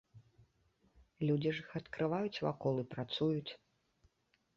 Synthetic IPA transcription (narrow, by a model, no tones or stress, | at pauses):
lʲud͡zʲiʐixɐt̪kɾɨvajut͡sʲva̰kɔlˠɨpɾat̪sujut͡sʲ